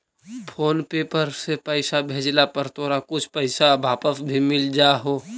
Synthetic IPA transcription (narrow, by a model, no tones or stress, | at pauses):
pʰoːnpeːpəɾsepəɪsabʱeːd͡ʒlapɐɾt̪oːɾakʊt͡ʃʰpəɪsabʱaːpəsbʱimɪld͡ʒaɦoː